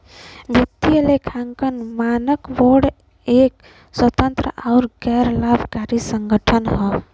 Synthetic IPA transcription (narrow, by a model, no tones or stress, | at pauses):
bʱit̪ːijəlekʰaŋkənmanəkboɽ | ek̚ | swət̪ənt̪ɾəaʊɾɡɛɾlabʱkaɾisəŋɡʱəʈʰənɦə